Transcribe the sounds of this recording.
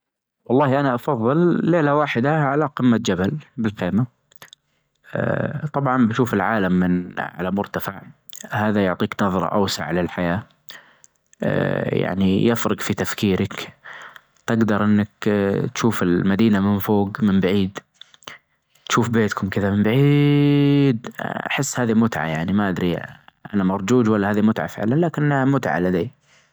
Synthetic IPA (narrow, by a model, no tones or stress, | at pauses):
wɑlˤːɑːhʔanaʔɑfɑðˤːɨlːeːlawaːħɪd̪aʕalaqɪmːat̪̚d͡ʒabalbɪlxeːma | t̪ˤɑbʕɑnbaʃuːfɪlʕaːlamːɪnʕa̰lamʊɾt̪afaʕ | haːðajʊʕt̪ˤiːknɑðˤɾˤɑ̰ʔa̰wsa̰ʕalalħajaː | ja̰ʕnijɪfɾɪɡfit̪afkiːɾak | t̪ɪɡd̪ɑɾˤʔɪnːakt̪ʃuːfɪlmad̪iːnamɪnfoːɡmɪmbaʕiːd̪ | t̪ʃuːfbeːt̪kʊmkɪðamɪmbaʕi | d̪a̰ħɪsːhaːðimʊt̪ʕa̰jaʕnimaʔad̪ɾiʔa̰namɑɾˤd͡ʒuːd͡ʒwalːahaːðimʊt̪ʕa̰fɪ̰ʕlanlaːkɪnːamʊt̪ʕa̰lad̪iː